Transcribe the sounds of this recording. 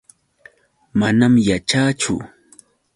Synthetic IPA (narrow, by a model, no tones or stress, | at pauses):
manamjat͡ʃaːt͡ʃʊ̰